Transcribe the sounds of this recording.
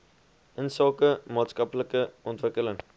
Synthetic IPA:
ənsɑːkəmɑːtskɐpləkəɔntʋəkələŋ

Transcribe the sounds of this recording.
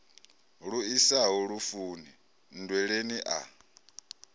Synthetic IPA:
ɺuisaɦuɺufuːni | n̩dwɛɺeniʔa̰

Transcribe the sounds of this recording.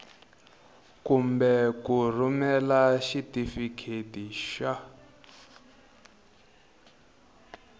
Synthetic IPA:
kumbɛkur̤umɛlaʃitifikʰetiʃa

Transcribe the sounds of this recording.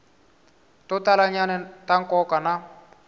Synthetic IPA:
tʊtʼalaɲanɛtʼaŋkʼɔkʼana

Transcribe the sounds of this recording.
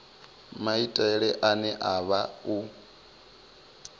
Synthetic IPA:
maitʼaɛɺɛʔanɛʔaβau

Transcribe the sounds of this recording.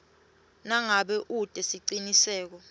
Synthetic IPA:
naŋaɓɛʔud̥ʱʼɛsiǀinisɛːk̬ɔ

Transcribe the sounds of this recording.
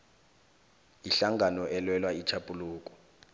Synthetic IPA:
iɬaŋɡʱanɔʔɛlwɛlwait͡ʃʰapʼuluːk̬ʼɔ̥

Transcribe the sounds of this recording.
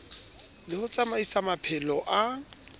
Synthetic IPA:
lɪhʊt͡sʼamaisamapʰɛlɔʔa

